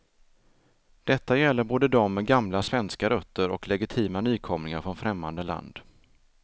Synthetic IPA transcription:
d̪̥ɛt̪ːajɛlːəɾboːd̪əd̪ɔmːɛɡamlasvɛnskaɾœt̪ʰːəɾɔklɛɡɪt̪ʰiːmanyːkʰɔmɾɪŋaɾfɾɔnfɾɛmːand̪əla̰nd̪̥

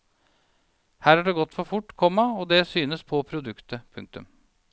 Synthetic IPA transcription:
hæːɾæɖɛːɡɔt̪ːfɔɾfʊʈːkʰɔmːɑɔd̪ɛsyːnəspʰɔpʰɾʊd̪ʉkt̪ʰəpʰʉŋk̚t̪ʉ̰m

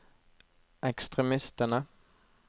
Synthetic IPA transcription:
ɛkst̪ʁɛmɪst̪ənə

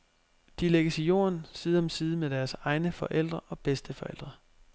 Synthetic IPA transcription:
d̥ileɡ̥əsijo̝̰ːɐnsiːð̞̩ˠɒmsiːð̞ˠəmed̥æɐsɑ̈ɪnəfɒ̽ʔel̰d̥ʁɐʔɒ̽b̥esd̥əfɒ̽el̰d̥ʁɐ

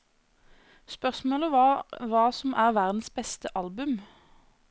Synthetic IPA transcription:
spœʁsmoːləʋɑʋɑːsɔmʔæːʁʋæʁd̪n̩sbɛst̪əʔɑlbʉm

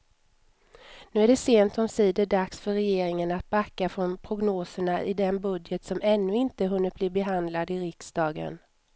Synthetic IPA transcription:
nʉ̟ːæɖɛseːnt̪ɔmsiːd̪əɖaksfœɾɛjeːɾɪŋənat̪̚bakːafɾɔnpʰɾʊɡnoːsəɳaʔɪd̪ɛnbɵd̪jət̪sɔmɛnːɵɪnt̪əɦɵnːət̚b̥liːbɛɦand̪lad̪ɪɾɪksd̪ɑːɡə̰n

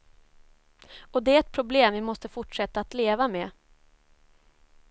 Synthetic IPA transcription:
ɔd̪ɛæɛt̪̚pʰɾʊbleːmvɪmɔst̪əfʊʈʂɛt̪ːaːt̪leːvameː

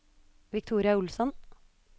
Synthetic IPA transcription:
ʋɪk̚t̪ʰuːɾɪɑʊlsɔn

